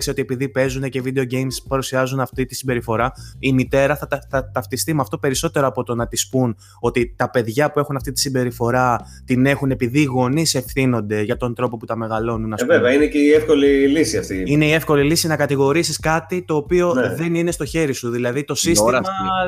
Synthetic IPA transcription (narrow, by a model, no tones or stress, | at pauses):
kseo̞t̪iepiðipe̞zunecevid̪e̞o̞ɟejmspɐɾusiɐzunɐft̪it̪isimbe̞ɾifo̞ɾɐimit̪e̞ɾɐθɐt̪ɐθɐt̪ɐft̪ist̪imɐft̪o̞pe̞ɾiso̞t̪e̞ɾo̞ɐpo̞t̪o̞nɐt̪ispun | o̞t̪it̪ɐpe̞ðʝɐpue̞xunɐft̪it̪i̥simbe̞ɾifo̞ɾɐ | t̪ine̞xune̞piðiɣo̞nise̞fθino̞nd̪e̞ʝɐt̪o̞nd̪ɾo̞po̞put̪ɐme̞ɣɐlo̞nunːɐvevɛɐineceiefko̞lilisiɐft̪iineiefko̞lilisinɐkɐt̪iɣo̞ɾisiskɐt̪it̪o̞ːpio̞ðe̞nine̞st̪o̞çe̞ɾisuðilɐðit̪o̞sis